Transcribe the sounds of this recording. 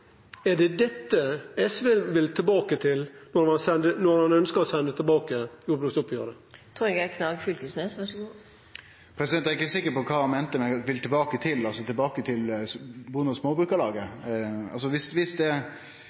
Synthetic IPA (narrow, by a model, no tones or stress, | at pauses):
ɛɖɛd̪ɛt̪ːəɛsʋɛlʋɪlt̪ʰɪlbɑːkət̪ʰɪlnɔɾhɑnsɛnd̪ənɔɾhɑnœnskəɾɔsɛnd̪ət̪ʰɪlbɑːkəjʊːb̪ʊst̪ɔpːjøːɾd̪ə | t̪ʰɾuːɾɛɡækʰnɑɡfʏlkəsneːsʋæsɡo | pʰɾɛsɪd̪ɛnt̪æɾɪkːəsɪkːəɾpɔkʰɑːɑnmɛnt̪əmɛnɛʋɪlt̪ʰɪlbɑːkət̪ʰɪlɑlsɔt̪ʰɪlbɑːkət̪ʰɪlbuːənɔsmoːbɾʉːkəlɑːɡəɑ̰lsɔʋɪsʋɪsd̪ɛ